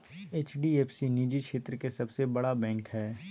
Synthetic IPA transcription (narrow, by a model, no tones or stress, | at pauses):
eːt͡ʃɖieːpsiniːd͡ʒikʃʰeːt̪ɾəkesɐbsebɐɽabɛ̃ːŋkɦɛː